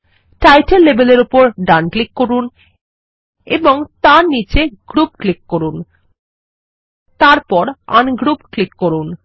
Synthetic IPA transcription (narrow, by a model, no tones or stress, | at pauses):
ʈajʈelːebeleɾupoɾɖanklikːoɾun | eboŋt̪aɾnit͡ɕeɡ̥ɾupklikːoɾun | t̪aɾpɔɾa̰nɡɾupklikːoɾun